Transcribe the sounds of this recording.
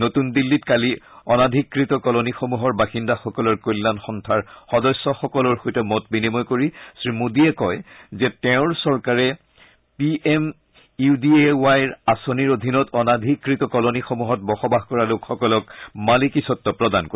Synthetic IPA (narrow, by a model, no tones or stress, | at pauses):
notundilːitkali | ɔnadʱikːɹitɔkɔlonixomuɦɔɹbaxindaxɔkɔlɔɹkolːanxɔntʰaɹxɔdɔsːɔxɔkɔlɔɹxojtɔmɔtbinimɔjkoɹisɹimudiɛkɔjzɛtɛʊ̃ɹsɔɹkaɹɛ | piʔɛm | iudiewajɹasoniɹod̪ʱinɔtɔnadʱikːɹitɔkɔlonixomuɦɔt̚bɔxɔbaɦkɔɹalokxɔkɔlɔkmalikisɔtːɔpɹɔdankoi